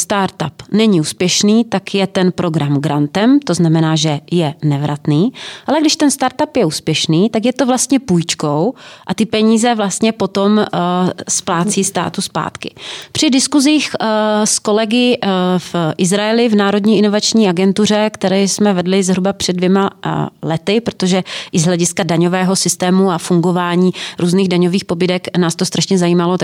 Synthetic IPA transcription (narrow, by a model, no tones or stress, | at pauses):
st̪aɾt̪apnɛɲɪuːspjɛʃniːt̪akjɛt̪ɛnpɾʔo̞ɡɾamɡɾant̪ɛmt̪o̞znamɛnaːʒɛjɛnɛvɾat̪niːʔalɛɡdɪʃt̪ɛnst̪aɾt̪apjɛuːspjɛʃniːt̪ak̬jɛt̪o̞vlast̪ɲɛpujt͡ʃko̞wʔat̪ɪpɛɲiːzɛvlast̪ɲɛpo̞t̪o̞m | splaːt͡siːst̪a̰ːt̪uspa̰ːt̪kɪpr̝̥ɪdɪskuziːxsko̞lɛɡɪfʔɪzɾaɛlɪvnaːɾo̞dɲiːʔɪnovat͡ʃɲiːaɡɛnt̪ur̝ɛkt̪ɛɾɛjsmɛvɛdlɪzɦɾubapr̥ɛdvjɛmalɛt̪ɪpɾot̪o̞ʒɛʔɪzɦlɛɟɪskadaɲo̞vɛːɦo̞sɪst̪ɛːmuafuŋɡo̞vaːɲiːɾuːzniɣdaɲoviːxpo̞bɪdɛknaːst̪ost̪ɾʔaʃɲɛzajiːmalo